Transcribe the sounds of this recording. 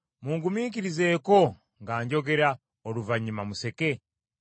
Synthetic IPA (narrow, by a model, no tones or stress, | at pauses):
muŋɡumiːciɾizeːko̞ | ŋɡaːɲɟo̞ɡe̞ɾa | oluvaɲimamuse̞ke̞